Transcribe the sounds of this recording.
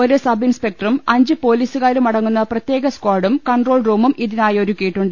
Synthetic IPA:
oɾusɐbinspek̚ʈɐrumɐɲd͡ʑɨpo̞ːliːsuɣaːɾumɐɽɐŋːunːɐprɐt̪je̞ːɡɐskwaːɽumkɐɳɖro̞ːɭruːmumʔiðinaːjɐoɾukːijiʈːuɳɖɨ

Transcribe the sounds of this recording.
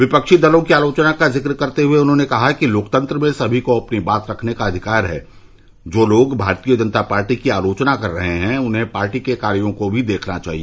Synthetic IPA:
ʋɪpɐkʃid̪ɐlõkiaːloːt͡ʃnakazɪkɾkɐɾt̪eɦʊeʊnɦõnekɐɦakiloːkt̪ə̃nt̪ɾəmẽsɐbʱikoɐpnibaːt̪ɾɐkʰnekaɐd̪ʱɪkaːɾɦɛ̰ː | d͡ʒoːloːɡbʱaːɾt̪ijəd͡ʒɐnt̪apaːɾʈikiaːloːt͡ʃnakɐɾːɐɦeɦɛ̃ʊnɦẽpaːɾʈikekaːɾjõkobʱid̪eːkʰnat͡ʃa̰ːɦieː

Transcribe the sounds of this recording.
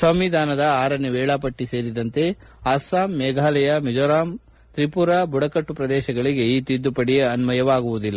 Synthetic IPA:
sɐmʋid̪ʱaːnɐd̪ɐaːɾɐneʋɛːɭaːpɐʈːise̞ːɾid̪ɐnt̪e̞ | aːsaːmːɛːɡʱaːlɐjɐmɛd͡ʒoːɾaːm | t̪ɾipuɾabuɽɐkɐʈːupɾɐd̪ɛːʃɐɡɐɭiɡe̞iːt̪id̪ːupɐɽijɐnmɐjɐʋaːɡuʋud̪ilːɐ

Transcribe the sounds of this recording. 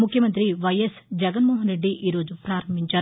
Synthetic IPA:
mukʰjɐmɐnt̪ɾiʋɐjesd͡ʒɛɡɐnmoːɦɐnɾe̞ɖːiʔiːɾo̞ːd͡ʒupɾaːɾɐmbʱiɲt͡ʃaːɾu

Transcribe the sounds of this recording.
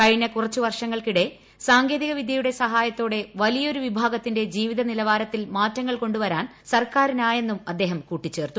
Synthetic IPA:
kɐjnːɐkurɐt͡ɕːuʋɐrʂɐŋːɐɭkiɽe̞ | saːŋɡe̞ːðiɣɐʋid̪ʱjɐjuɽe̞sɐɦaːjɐt̪ːo̞ːɽeʋɐlijɐo̞ɾuʋibʱaːɡɐt̪ːinde̞d͡ʑiːʋiðɐnilɐʋaːɾɐt̪ːilmaːtːɐŋːɐɭko̞ɳɖuʋɐɾaːn | sɐrkaːɾinaːje̞nːumɐd̪ːe̞ːɦɐmkuːʈːit͡ɕːe̞ːrt̪u

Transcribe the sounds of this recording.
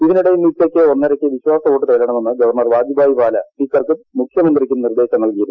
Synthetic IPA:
iðinuɽejmːit̪ːokʲːɨo̞nːɐɾɐkʲːɨʋiɕwaːsɐʋo̞ːʈːɨt̪ɐjilɾɐɳɐme̞nːɨɡɐʋɐrnɐrʋaːd̪jubʱaːjipaːlɐpikːɐrkɨmukʰjɐmɐnd̪rikʲːunird̪e̞ːɕɐmnɐlkijɐɾu

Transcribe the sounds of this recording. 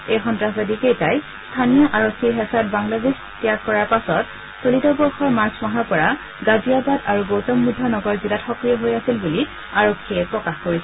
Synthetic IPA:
ejxɔntɹaɦbadikejtaj | stʰanijɔʔaɹokʰːiɦɛsat̚baŋlades | tijakkːɔɹaɹpasɔt | solitɔbɔɹxɔɹmaɹsʰmaɦɔɹpɔɹa | ɡaziabadaɹuɡowtɔmːudʱːɔnɔɡɔɹzilatxɔkɹijɔɦojasilbuli | aɹokʰːiɛpɹɔkaxkoɹisɛ

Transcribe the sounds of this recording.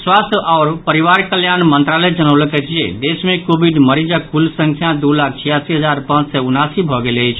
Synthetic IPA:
swast̪ʰəʔɔʊɾpəɾiʋaɾkəljanmənt̪ɾalɛd͡ʒənəwləkɛt͡ʃijḛd̪esmẽkobiɖməɾid͡ʒakulsə̃ŋkʰjãd̪ulak̚ʰt͡ʃʰijasiɦəd͡ʒaɾpãt͡ʃsɛunasibʱɔɡeləjt͡ʃʰ

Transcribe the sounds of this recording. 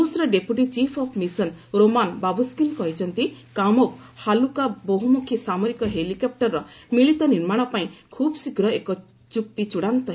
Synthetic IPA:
dusɾɔɖepuʈit͡ʃipʰɔpʰmisɔnɾomanbabuskinkɔɦit͡ʃʰɔnt̪ikamɔkhalukaboɦumukʰisamɔɾikɔɦelikɔp̚ʈɔɾːɔmiɭit̪ɔniɾmaɽ̃ɔpaĩkʰubsiɡɾɔekɔ | t͡ʃuk̚t̪it͡ʃuɽant̪ɔɦ

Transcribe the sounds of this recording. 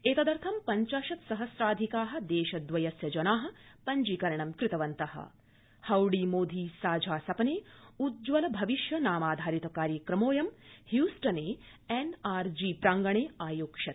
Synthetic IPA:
eːt̪ɐd̪ɐɾt̪ʰɐmpɐɲt͡ʃaːʃɐt̪sɐɦɐsɾaːd̪ʱikaːɦɐ̆d̪eːʃɐd̪ʋɐjɐsjɐd͡ʒɐnaːɦɐ̆pɐɲd͡ʒikɐɾɐɳɐmkɾɪt̪ɐʋɐnt̪ɐɦɐ̰ | hɐwɽiːmoːd̪ʱiːsaːd͡ʒʱaːsɐpɐneːud̪̚d͡ʒʋɐlɐbʱɐʋiʃjɐnaːmaːd̪ʱaːɾit̪ɐkaːɾjɐkɾɐmoːjɐmhjuːsʈɐneː | enaːɾd͡ʒiːpɾaːŋɡɐɳeːaːjoːkʃɐt̪̚

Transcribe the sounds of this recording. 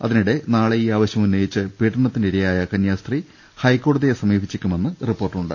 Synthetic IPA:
ɐ̰ðinuɽe̞naːɭeiːaːʋɐɕjɐmunːɐjit͡ɕːɨpiːʈːɐɳɐt̪ːindeɾijaːjɐkɐnjaːst̪ri | hɐjkːo̞ːɽɐðijesɐmiːbʱit͡ɕːikʲːume̞nːɨripːo̞ːrʈːuɳɖɨ̰

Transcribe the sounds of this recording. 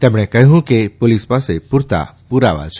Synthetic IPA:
t̪ɛmɽ̃ɛkəɦũkepolispasepʊɾt̪a̰puɾa̰ʋa̰t͡ʃʰ

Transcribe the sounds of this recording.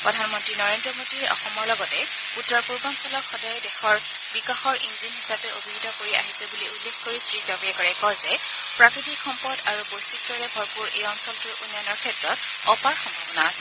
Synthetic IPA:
pɹɔdʱanmɔntɹinɔɹendɹɔmodiɹɛʔɔ̰xɔmɔɹlɔɡɔtɛ | utːɔɹpuɹbansɔlɔkxɔdajɛdɛxɔɹ | bikaxɔɹinzinɦisapɛobʱiɹudʱɔkoɹia̰ɦizɛbuliulːexkoɹisɹid͡ʒɔɡiɛkɔɹɛkɔzɛ | pɹakɹitikxɔmpɔdaɹubojsik̚dɔɹɛbʱɔɹpuɹejɔnsɔltuɹunjanɔɹkʰɛtɹɔt̚ | ɔpaɹxɔmbʱɔbɔnaːsɛ

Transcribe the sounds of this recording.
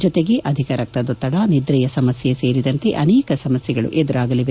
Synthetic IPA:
d͡ʒɔt̪e̞ɡe̞ʔɐd̪ʱikɐɾɐk̚t̪ɐd̪ot̪ːɐɽɐnid̪ɾɐjɐsɐmɐsjese̞ːɾid̪ɐnt̪e̞ʔɐnɛːkɐsɐmɐsjɛɡɐɭṵʔed̪ɐɾaːɡɐliʋe

